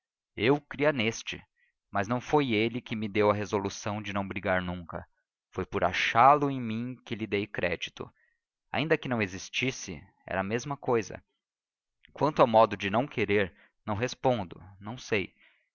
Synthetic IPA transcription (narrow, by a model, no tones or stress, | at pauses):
ewkɾiɐnest͡ʃɪ̰ | mɐznɐ̃w̃fojelɪkɪmɪd̪ewɐɦezolusɐ̃w̃d͡ʒɪnɐ̃w̃bɾiɡaɾnũŋkɐ̰ | fojpʊɾa̰ʃalʊẽj̃mĩkɪlid̪ejkɾɛ̰d͡ʒit̪ʊ̰ | a̰ĩnd̪ɐkɪnɐ̃w̃ezist͡ʃisɪ̰ | ɛ̰ɾɐmezmɐkojzɐ̰ | kwɐ̃nt̪ʊawmɔd̪ʊd͡ʒɪnɐ̃w̃kʰeɾeɾ | nɐ̃w̃ɦespõnd̪ʊ̰nɐ̃w̃sej